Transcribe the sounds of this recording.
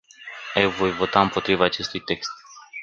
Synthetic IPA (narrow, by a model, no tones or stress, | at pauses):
əjvo̞jvo̞t̪aɨmpo̞t̪ɾivaːt͡ʃe̞st̪ujt̪e̞kst̪̚